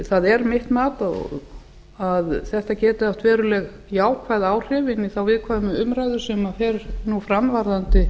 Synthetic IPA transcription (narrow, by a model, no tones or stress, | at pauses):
θaðɛɾmɪht̪maːt̪aðɔ̰ɣ | aðθɛht̪acɛːt̪ɪaft̪vɛːɾʏlɛɣ | jaːwkʰvaðaːwr̥ɪːvɪnːiθawvɪðkʰaːmʏʏmɾajðʏ̥sʏːmafɛːɾnufɾamvaɾðant̪ɪ